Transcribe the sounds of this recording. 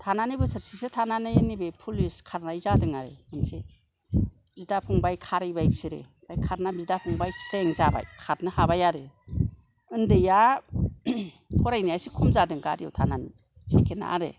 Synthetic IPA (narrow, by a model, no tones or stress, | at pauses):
tʰananibɯsɯɾsisɯtʰananɯnibepʰuliskʰaɾnajzadɯŋaɾḛɯnse | bidapʰɔŋbajkʰaɾɯjbajbsɯɾḛ | tajkʰaɾnabizdapʰɔŋbajsɾeŋzaba̰jkʰaɾnɯhabajaɾe | ɯndɯja | pʰɔɾajnijajsikʰumzadɯŋkaɾiowtʰanan | sekʰena̰ʔa̰ɾḛ